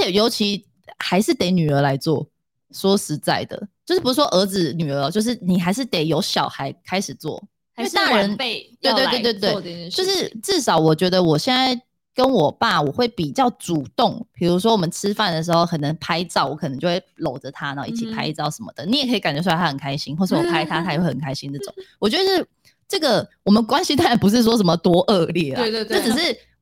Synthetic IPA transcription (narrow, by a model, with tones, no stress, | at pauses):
ə˧˥t͡ɕʰjɛ˨˩jo˧˥ʊt͡ɕʰi˧˥ | xa˧˥ɪʂɻ̩˥˩t̪e˧˥ɪny˨˩ə˞˧˥la˧˥ɪt͡swɔ˥˩ | swɔ˥ʂɻ̩˧˥t͡sa˥˩ɪd̪ə̰˩t͡ɕt͡ɕjo˥˧ʊʂ̩˥˩pu˧˥u˥wɔ˥ʔə˧˥d͡zɹ̩˧ny˨˩ə˧˦t͡ɕjo˥˧ʊʂ̬ɻ̩˥˩ni˨˩xa˧˥ɪʂ̬ɻ̩˥˩t̪e˨˩ɪjo˧˥ʊɕjɑ˨˩ʊxa˧˥ɪkʰa˥ɪʂɻ̩˨˩t͡swɔ̰˥˩˥ | ə˧˦ne˧t̪we˥˧tw̪t̪we˥˧t̪we˥˩˧ɪt͡ɕjo˥˧ʊʂɻ̩˥˨ʈ͡ʂɻ̩˥˩ʂɑ˧˥ʊwɔ˨˩t͡ɕɥɛ˧˥d̪ə˧wɔ˨˩ɕjɛ˥˧nt͡sa˥˩ɪ | kə˦nwɔ˨˩pa˥˩wɔ˨˩xwe˥˩ɪpi˨˩t͡ɕjɑ˥˩ʊʈ͡ʂu˨˩t̪ʊ˥˨ŋpʰi˨˩ɻu˧˥ʂ̬wɔ˥wɔ˨˩mə˨˦nʈ͡ʂʰɻ̩˥fa˥˩nd̪ə˩ʂ̬ɻ̩˧˥xo˥˩ʊkʰə˨˩nə˧˦˥ŋpʰa˥ɪt͡sɑ˥˨ʊwɔ˧˦˥k̪ʰə˧˦t͡ɕjo˥˧˩we˥˩ɪlo˨˩ʊʈ͡ʂə˦t̪ʰa˦˥na˧˥o̰˧˨i˥˩t͡ɕʰi˨˩pʰa˥ɪt͡sɑ˥˩ʊʂə˧˦nmə̰˧d̪̥ə˩ni˧˥jɛ˨kʰɤ˧˥i˨ka˨nt͡ɕɥɛ˧˥st̪ʰa˥ə˨˩ŋkʰa˥ɪɕi˥ŋxwɔ˥˩ʂ̩˥wɔ˨˩pʰa˥ɪt̪ʰa˥a˥jwe˥˧˩ə˨˩ŋkʰa˥ɪɕi˥nd̪ə˩˥˩ʈ͡ʂʊ̰˨˩˦ŋwɔ˨˩t͡ɕɥɛ˧˥ə˧ʂɻ̩˥˩ | ʈ͡ʂɤ˥˩ɡə˨˩wɔ˨˩mə˨˦nkwa˦nɕi˥t̪ʰa˥a˧˥npu˧˥ʂ̬ɻ̩˥˩ʂ̬wɔ˥ʂ̬ə˧˥nmə˧t̪wɔ˥ʔɤ˥˧ljɛ˥˩˥e˥˧jo˥˩ʈ͡ʂ̩˨˩ʂ̬ɻ̩˥˩